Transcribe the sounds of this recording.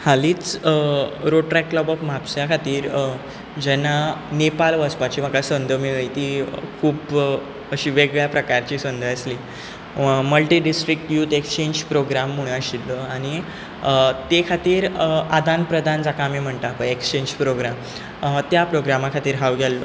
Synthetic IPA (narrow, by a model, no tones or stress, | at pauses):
haliːt͡s | ɾoɖʈɾɛkːləbɔfmapsjakʰat̪iːɾ | d͡ʑɛnːanepalʋəspat͡ɕiːm̤əkasənd̪ʱəmiɭit̪iːkʰuːb | əɕiːʋeɡɭjapɾəkaɾt͡ɕiːsənd̪ʱəəsliː | məlʈiːɖisʈɾik̚ʈjuːt̪ekst͡ɕeɲd͡ʑpɾoɡɾamːuɽ̃aɕilːəaɽ̃i | t̪ekʰat̪iːɾad̪ʱanpɾəd̪ʱand͡zakamiːm̤əɳt̪apəekst͡ɕẽɲd͡ʑpɾoɡɾam | at̪japɾoɡɾamakʰat̪iːɾɦaʋɡʱɛlːə